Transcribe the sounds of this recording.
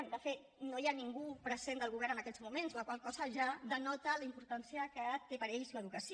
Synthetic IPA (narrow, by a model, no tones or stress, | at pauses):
md̪əfet̪ | nojaniŋɡupɾəzend̪əlˠɣ̞uβɛɾnənəkɛzmumenzoəkwalkɔzəʒaðənɔt̪ələimpuɾt̪ansiəkət̪ːepəɾɛʎsiəðukəsi